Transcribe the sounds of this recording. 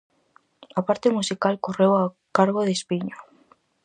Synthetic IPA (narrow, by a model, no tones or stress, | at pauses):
apaɾt̪emusikalkorewa | kaɾɣoðespiɲo